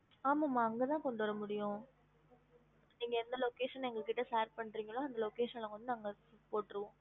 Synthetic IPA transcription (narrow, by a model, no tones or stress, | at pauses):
aːmamːaːɐŋɡɐt̪ãːkɔɳɖɯʋɐɾɐmʊɽɪjʊ̃ | niːŋɡɐɛɾɯnd̪ɐloːkeːʂɐnɛŋɡɐɭkːɪʈːɐsaːɾpɐɳːɾiːŋɡɐɭːaːɐnd̪ɐloːkeːʂɐnlɐ̃ŋɡɐʋɐnd̪ɯnɐŋɡɐsʊpoːʈːɪɾɯʋõː